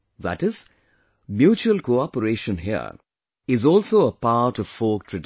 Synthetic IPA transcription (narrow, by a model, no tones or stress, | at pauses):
ðæ̰ʈɪz̥ | mjuːt͡ʃuəlkoɑpəɾeːʃə̃nɦiə̰ | ɪzɔːlsoːəpaʈɔʋ̥foːk̚ʈʰɹəɖ